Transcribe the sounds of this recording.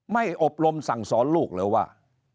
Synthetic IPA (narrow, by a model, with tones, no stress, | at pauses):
ma˥˩jʔo˨˩p̚ɾo˧msa˨˩˦ŋsɔː˩˦˥nluː˥˩k̚lɤː˧jwa̰ː˥˩